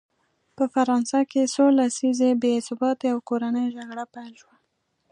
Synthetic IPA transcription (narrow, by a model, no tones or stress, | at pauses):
pəfaɾɑnsakesolasizebesʊbɑt̪eawkoɾanəjʒaɡɽapajlʃwa